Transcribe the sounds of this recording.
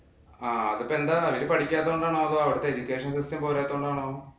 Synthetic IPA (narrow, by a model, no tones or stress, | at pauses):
aːɐd̪upːend̪ɐɐʋiɾipɐɽikʲːjaːt̪ːɐuɳɖaːɳoːɐðoːɐʋɐɽɐt̪ːeed͡ʑukʲeːʂɐnsisʈɐmpoːɾaːt̪ːuɳɖaːɳoː